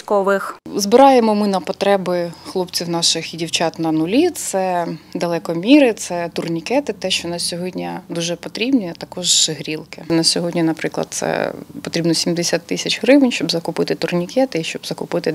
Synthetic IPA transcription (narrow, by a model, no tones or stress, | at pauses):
kɔʋɪxzbɪɾɑjemɔmɪnɐpɔt̪ɾɛbɪxlˠɔpt͡sʲiwnɑʃɪxidʲiwt͡ʃɑt̪nɐnʊlʲit̪sɛd̪ɐlˠɛkɔmʲiɾɪt̪sɛt̪ʊrnʲikɛt̪ɪt̪ɛʃt͡ʃɔnɑssʲɔɦɔdʲnʲid̪uʒɛpɔt̪ɾʲibnʲijɐt̪ɐkɔʒɦɾʲilˠkɪnɐsʲɔɦɔdʲnʲinɐpɾɪklˠɐ̰d̪̚t̪sɛ̰pɔt̪ɾʲibnɔsʲimd̪esʲat̪ːɪsʲɐt͡ʃɦɾɪʋɪnʲʃt͡ʃɔbzɐkʊpɪt̪ɪt̪ʊrnʲikɛt̪ɪiʃt͡ʃɔbzɐkʊpɪt̪ɪ